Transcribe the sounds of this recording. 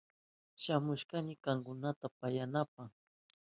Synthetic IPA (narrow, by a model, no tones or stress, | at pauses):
ʃamʊʃkaɲɪkaŋkʊnat̪apajanap̚aχ